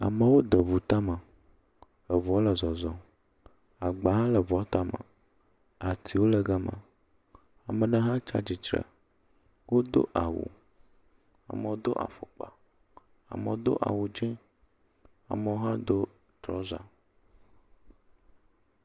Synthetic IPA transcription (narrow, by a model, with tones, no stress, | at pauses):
a˨mə˨wo˦d̪ə˨vu˨t̪a˦mə̃˨ | ə˨vɔ˨˦lə˨zɔ˨zɔ̃˨ | a˨ɡ͡ba˨ɦã˦lɛ˨vɔ˨˦t̪a˦mə̰̃˨ | a˨t̪ʰi˨wo˦lɛ˨ɡa˦mə̰̃˨ | a˨mə̃˨ɖə˦ɦã˦t͡ʃa̰˦d͡ʑi˨t͡ʃɾə̰˨ | wo˦d̪o̰˦ʔa˨wṵ˨ | a̰˨mə˨wo˦d̪o˦ʔa̰˨fo˨k͡pa̰˨ | a̰˨mə˨o˦d̪o̰˦ʔa̰˨wu˨d͡ʒɛ̃˦ | a̰˨mə˨˦o˦ɦã˦d̪o˦ | t̪ɾɔ˦za̰˨